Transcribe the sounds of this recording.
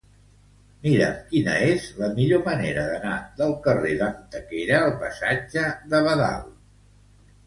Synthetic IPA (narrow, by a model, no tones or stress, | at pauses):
miɾə̰mkinə̰ezləmiʎoməneɾəðənaðəlˠkəreðənt̪əkeɾəːlˠpəsad͡ʒəðəβəða̰lˠ